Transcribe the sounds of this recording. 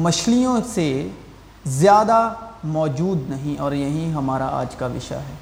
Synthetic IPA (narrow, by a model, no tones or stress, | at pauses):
mɐʃlijõse | zjaːd̪amɔːd͡ʒuːd̪nɐɦĩʔɔːɾjɐɦĩɦɐmaːɾaa̰ːd͡ʒkaʋɪ̰ʃa̰ɦɛː